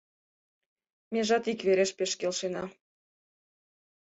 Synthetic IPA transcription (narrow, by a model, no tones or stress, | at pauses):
meʒɑt̪ikβeɾeʃpeʃkelʃenɑ